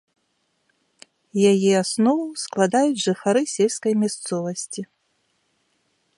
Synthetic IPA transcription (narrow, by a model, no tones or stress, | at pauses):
jajɛasnɔvusklˠad̪ajud͡zʲʐɨxaɾɨsʲɛlʲskɐjmʲast̪sɔvɐsʲt͡sʲi